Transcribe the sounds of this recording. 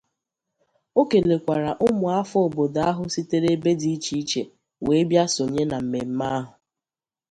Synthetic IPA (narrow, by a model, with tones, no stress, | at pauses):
o˦ke˨le˨kʷa˨ɾa˨ʔʊ˦mʊ˨a˦fo˨bo˨da˦ɦʊ˨si˦te˦ɾe˦be˦di˦i˦t͡ʃi˦i˦t͡ʃḛ˨ | we˨˦bja˦so˨ɲe˦na˨m̩˨me˨m̩˦ma˦ɦʊ˨